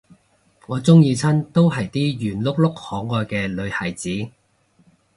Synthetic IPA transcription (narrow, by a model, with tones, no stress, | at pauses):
ŋɔː˨˧t͡sʊ˥ŋjiː˧t͡sʰɐ˥nt̪o˥wɦɐ˨jt̪iː˥jyː˨˩nlʊ˥k̚lʊ˥k̚hɔː˨˥ŋːɔː˨˧jkɛː˧lɵ˨˧ɥhɐ˨˩jt͡siː˨˥